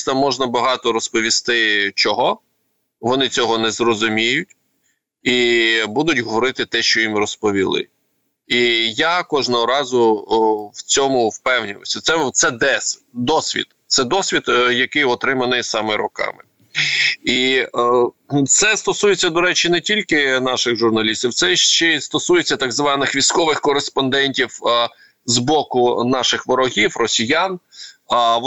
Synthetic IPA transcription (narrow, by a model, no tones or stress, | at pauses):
t̪ɐmːɔʒnɐbɐɦɑt̪ɔɾɔspɔʋʲist̪ɪt͡ʃɔɦɔ | ʋɔnɪt͡sʲɔɦɔnɛzɾɔzʊmʲijʊtʲ | ibud̪ʊtʲɦɔʋɔɾɪt̪ɪt̪ɛʃt͡ʃɔjimrɔspɔʋʲilˠɪ̰ | ijakɔʒnɔɦɔɾɑzʊ | wt͡sʲɔmʊwpɛwnʲiʋɔ̰sʲɐt̪sɛt̪sɛd̪ɛsd̪ɔsʲʋʲḭd̪t̪sɛd̪ɔsʲʋʲid̪jɐkɪjɔt̪ɾɪmɐnɪsɑmɛɾʊ̰kɑ̰mɪ | i | t̪sɛst̪ɔsujet͡sʲːɐd̪ɔɾɛt͡ʃɪnɛtʲilʲkɪn̪ɑʃɪɣʒʊrnɐlʲisʲt̪ʲiwt̪sɛʃt͡ʃɛst̪ɔsujet͡sʲːɐt̪ɑɡzʋɑnɪxʋʲijsʲkɔʋɪxkɔɾespɔnd̪ɛnʲtʲiw | zbɔkʊnɑʃɪxʋɔɾɔɦʲiwrɔsʲijɑn